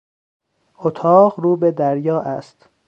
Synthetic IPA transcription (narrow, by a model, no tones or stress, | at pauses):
ot̪ʰɒːʁɾuːbed̪æɾjɒːʔæst̪